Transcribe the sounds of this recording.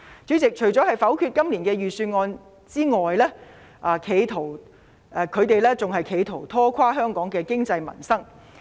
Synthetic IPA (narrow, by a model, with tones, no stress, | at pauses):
t͡sy˨˥t͡sɪ˨k̚t͡ʃʰɵ˨˩ɥt͡sɔ˨˥hɐ˨jfɐ˨˥wkʰy˧t̚kɐ˥mliː˨˩nkɛː˧jyː˨syː˧nŋɔː˧n | t͡siː˥ŋɔː˨jlɛː˥ | ʔaː˨˧kʰe˨˧jt̪ʰo˨˩w | ʔkʰɵ˨˧ɥt̪e˨jlɛː˥t͡sʊ˨ŋɦɐ˨jkʰe˨˧jt̪ʰo˨˩wt̪ʰɔː˥kʷʰwaː˥ɦœː˥ŋkɔː˨˥ŋkɛː˧kɪ˥ŋt͡sɐ˧jmɐ̰˨˩nsɐ˥ŋ